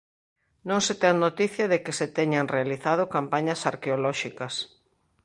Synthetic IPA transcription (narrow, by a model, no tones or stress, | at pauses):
nõŋset̪ɛŋnot̪iθjɐðekɪset̪ɛɲaŋrealiθað̞okampaɲɐsaɾkeolɔʃikɐs